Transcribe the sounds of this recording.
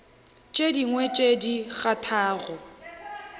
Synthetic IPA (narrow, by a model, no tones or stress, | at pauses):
t͡ʃʼediŋwet͡ʃʼediɣatʰaːɣɔ